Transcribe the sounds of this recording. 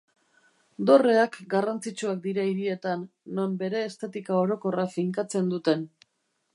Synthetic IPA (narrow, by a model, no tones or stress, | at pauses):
d̪o̞re̞akɡarant͡sit͡ʃuak̚d̪iɾaiɾie̞t̪anː | o̞mbe̞ɾe̞ːst̪et̪ikao̞ɾo̞ko̞rafiŋkat͡se̞nd̪ut̪e̞n